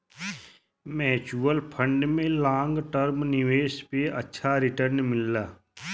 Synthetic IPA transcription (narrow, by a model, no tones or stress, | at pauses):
mɛːt͡ʃuːəlpʰə̃ɳɖmẽlãːŋɡʈəɾmnɪʋeːʃpeɐ̰tːʃʰaɾɪʈəɾnmɪlːaː